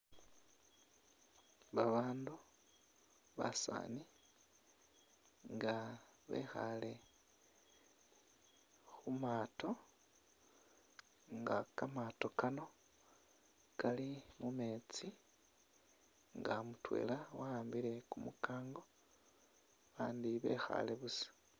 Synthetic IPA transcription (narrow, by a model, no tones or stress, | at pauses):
βaβaːndu | βa̰sa̰ːni | ŋɡaβe̞̰xa̰le̞ | xumaːto̞ | ŋɡakamato̞kano̞ | kalimume̞ːt͡si | ŋɡamutwe̞̰ːlawaaːmbiɾe̞kumukaːŋɡo̞ | βaːndiβe̞̰ːxa̰le̞βusi̥